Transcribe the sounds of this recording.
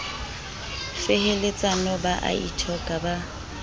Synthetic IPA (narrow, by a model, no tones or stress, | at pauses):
fɪhelet͡sʼanɔbaʔa̰ḭtʰɔkʼaba